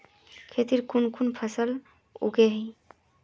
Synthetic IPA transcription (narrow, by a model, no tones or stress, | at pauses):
kʰet̪iɾkunkunpʰəsəl | ṵɡeɦəɪ